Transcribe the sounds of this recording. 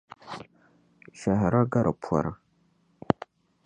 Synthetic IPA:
ʃa˨ɦa˨ɾa˦ɡa˦ɾa˨pʰʷa̰˨ɾa˨

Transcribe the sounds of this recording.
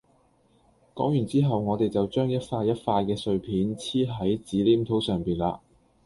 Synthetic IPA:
kɔ̰ː˨˥ŋjyː˨˩t͡siː˥ɦɐ˨wŋɔː˨˧t̪e˨jt͡sɐ˨˩wt͡ʃœː˥ŋjɐ˥t̚faː˧jːɐ˥t̚faː˧jkɛː˧sɵ˧ɥpʰiː˨˥nt͡sʰiː˥ɦɐ˨˥jt͡siː˨˥liː˥mt̪ʰo˨˥wsœː˨ŋpiː˨˩nla̰ː˧

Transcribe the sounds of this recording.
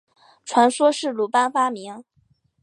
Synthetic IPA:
ʈ͡ʂʰwa˧˥nswɔ˥ʂɻ̩˥˩lu˨˩pa˥nfa˥mi˧˥ŋ

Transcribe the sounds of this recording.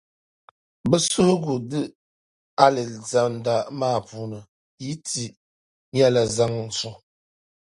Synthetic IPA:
bə˦su˦hɡu˨dɨ˦ | a˦lɛ˨za˨nda˨maː˦˨pu˨nɨ˨ | ji˦ti˨ | ɲ˦a˦la˨za˦ŋn̩˨t͡su˨

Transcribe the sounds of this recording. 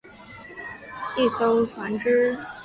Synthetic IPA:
i˥˩so˥ʊʈ͡ʂʰwa˧˥nʈ͡ʂɻ̩˥

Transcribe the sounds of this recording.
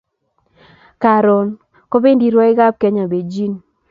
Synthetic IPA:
ka˨ɾɔ˨n | ko˦be˦ndi˦ɾwa˦ɪ˦ɡa˦p̚ke˦ɲa˨be˨d͡ʒi˦n

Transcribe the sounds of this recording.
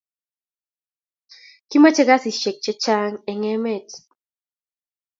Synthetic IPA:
ki˦ma˦t͡ʃɛ˦ɡa˦si˨ʃe˨k̚t͡ʃɛ˦t͡ʃa˦ŋɛ˨ŋɛ˦mɛ˦˨t

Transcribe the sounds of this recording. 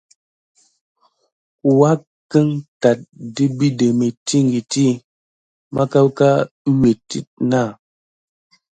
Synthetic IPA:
wa˦ | kə˦ŋta˨t̚di˦bi˦de˨me˨ti˦ŋ˨ɡi˨ti˦ | ma˦ka˦wka˦ | ɲe˨tḭ˦t̚na˦˨

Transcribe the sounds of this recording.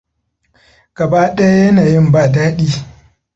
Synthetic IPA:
ɡ̥ɐ˨baː˦ɗɐ˦ja˦jɐ˦naː˨jɪ˦mbaː˦˨daː˦ɗiː˦

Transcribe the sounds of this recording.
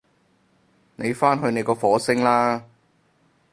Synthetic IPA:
ne˨˧jfaː˥nɦɵ˧ɥne˨˧jkɔː˧fɔː˨˥sɪ˥ŋlaː˥

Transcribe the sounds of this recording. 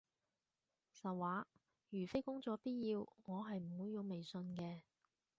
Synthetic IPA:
sɐ˨waː˨˥ | jyː˨˩fe˥jkʊ˥ŋt͡sɔː˨˧piː˥t̚jiː˧wŋɔː˨˧ɦɐ˨jm̩˨˩wuː˨˧jːi˨˧wme˨jsɵ˧nkɛː˧

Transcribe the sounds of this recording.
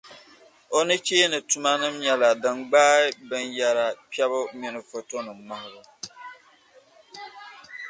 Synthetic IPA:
o˦nɨ˦t͡ʃeː˦nɨ˨tu˨ma˦nɨ˦mɲɛ˨la˨dɨ˨mɡ͡baː˦ɪ˦bɨ˦nja˦ɾa˨pi˦ɛ˦βʊ˦mi˨nɨ˨fo˨to˦nɨ˨ma˦ŋ˨ɾʊ˨

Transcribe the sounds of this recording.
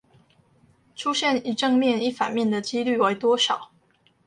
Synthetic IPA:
ʈ͡ʂʰu˦˥ɕjɛ˥˨ni˨˩ʈ͡ʂɤ˥˧ŋmjɛ˥˨ni˥˩fa̰˨˩nmjɛ˥˨˩nd̪ə˨t͡ɕi˦˥ly˥˨we˧˩ɪt̪wɔ˥ʂɑ˨˩˦ʊ

